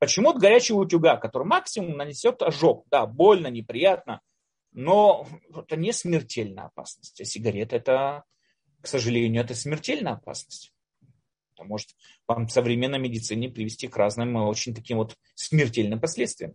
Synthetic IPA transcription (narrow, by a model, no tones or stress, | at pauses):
pət͡ɕɪmut̪̚ɡɐɾʲæt͡ɕɪjəʊtʲʊɡakɐt̪o̞ɾɨjmaksʲɪmʊmnənʲɪsʲo̞t̪ɐʐo̞k̚d̪abo̞lʲnənʲɪpɾʲɪjat̪̚nə | noɛt̪ənʲɪsmʲɪrtʲelʲnə̰jəɐ̰pa̰snəsʲtʲɐsʲɪɡɐɾʲet̪əɛt̪ə | ksəʐɨlʲenʲɪjʊɛt̪əsʲmʲɪrtʲelʲnəjɐpa̰snəsʲtʲ | ɛt̪əmo̞ʐɨt̪ | vamsəvɾʲɪmʲenːəjmʲɪdʲɪt̪sɨnʲɪpɾʲɪvʲɪsʲtʲikraznɨjmo̞t͡ɕɪnʲt̪ɐkʲimvo̞t̪ | smʲɪrtʲelʲnɨmpɐsʲlʲet̪st̪vʲɪjəm